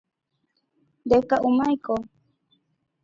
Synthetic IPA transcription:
dekaʔumajko

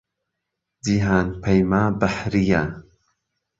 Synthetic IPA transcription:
d͡ʒiɦaːnpʰɐjmaːbaħɾija

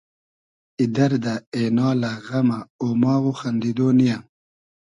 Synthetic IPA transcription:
id̪ɐɾd̪aeːnɑːlaɣɐmaoːmɑːɣuxɐnd̪id̪oːnija

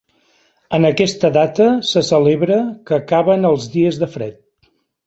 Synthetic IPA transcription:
ənəkɛst̪əðat̪əsəsəleβɾəkəːkaβənəlˠzðiəzðəfɾɛ̰t̪̚

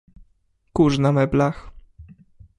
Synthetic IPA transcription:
kuʐnamɛblax

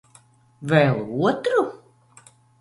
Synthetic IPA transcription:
vɛːlˠuɔt̪ɾu

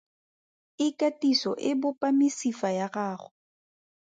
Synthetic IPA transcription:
ɪkʼatʼisɔʔɪbʊpʼamɪsifajaɣaːχʊ

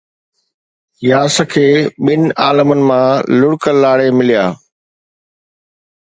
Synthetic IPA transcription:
jaːsəkʰeːɓɪnɪ̆aːləmənɪ̆mãlʊɽkəlːaːɽemɪlijaː

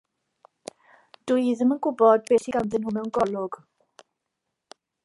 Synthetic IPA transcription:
d̥uɨjðəmənɡʊbɔd̚beːɬiɡawnðənhʊmɛwnɡɔlʊɡ̥

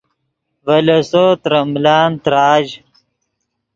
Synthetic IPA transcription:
vɐlɐsoːt̪ɾɐmlaːnt̪ɾaːd͡ʑ

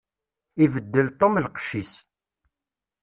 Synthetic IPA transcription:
ivəd̪ːəlt̪ˤomlqʃis

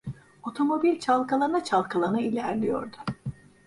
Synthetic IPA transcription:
o̞t̪ʰo̞mo̞bilʲt͡ʃʰalˠkʰalˠanat͡ʃʰalˠkʰalˠanailʲæɾlʲijo̞̰ɾd̪ʊ

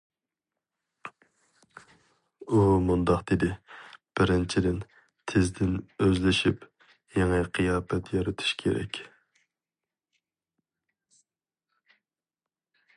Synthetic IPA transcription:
umund̪ɑqd̪̥ed̪ɪb̥ɪɾɪnt͡ʃʰid̪ɪn | t̪ʰɪzd̪ɪnøzlɪʃip | jeŋəqʰɨjɑːpɛt̪jɑɾɨt̪ʰu̥ʃkʲʰeɾɛ̰kʲ

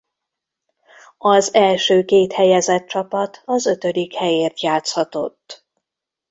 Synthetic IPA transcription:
ɒzɛlʃøːkeːt̪hɛjɛzɛt̪̚t͡ʃɒpɒt̪ʰɒzø̞t̪ø̞d̪ikhɛjeːrt̪jaːt̪shɒt̪o̞t̪ː

